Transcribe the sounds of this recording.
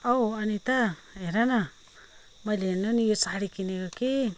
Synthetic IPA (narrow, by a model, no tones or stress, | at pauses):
awanit̪aeɾana | majlenonijosaɦaɾikineɡoke